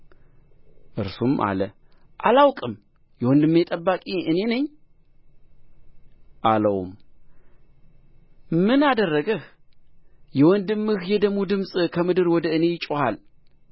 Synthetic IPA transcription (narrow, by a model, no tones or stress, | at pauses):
ʔɨɾsumʔa̰lə | ʔalawkʼɨm | jɛwɔnd̪ɨmːet̪ʼəbːakʼiɨne̞nəɲː | ʔaləw̰m | mɨnad̪ərːəɡəh | jɛwɔnd̪ɨmːɨhjɛd̪əmud̪ɨmsʼkʰəmɨd̪ɨɾwɔd̪əɨne̞jɪt͡ʃʼohal